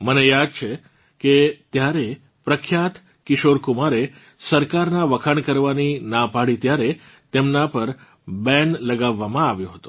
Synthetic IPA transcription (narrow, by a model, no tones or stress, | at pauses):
mənejad̪̚t͡ʃʰe | ket̪jaɾe | pɾəkʰjat̪ | kɪʃoɾkumaɾe | səɾkaɾnaʋəkʰaɳkəɾʋaninãpaɽit̪jaɾe | t̪emnapəɾ | bɛ̃nləɡaʋːamãaʋjõɦət̪o̥